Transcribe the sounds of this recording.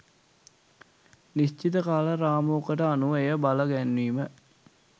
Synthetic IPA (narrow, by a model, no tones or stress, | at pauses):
nist͡ʃit̪əkaːləɾaːmoːkəʈəanuʋəejəbaləɡænːiːmə